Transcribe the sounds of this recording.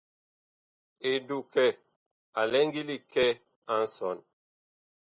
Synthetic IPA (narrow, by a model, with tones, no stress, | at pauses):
e˨du˨kɛ˦˨ | a˨lɛ˦ŋ˦ɡi˦li˦kɛ˦ | a˦n̩˦sɔ˨n